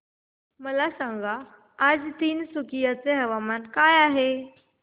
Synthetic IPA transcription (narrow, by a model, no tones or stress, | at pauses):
məlasãŋɡaː | d͡zt̪iːnsukijat͡seɦəʋamankajaɦe